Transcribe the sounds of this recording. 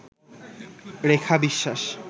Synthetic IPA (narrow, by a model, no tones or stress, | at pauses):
ɾekʰabiʃːaʃ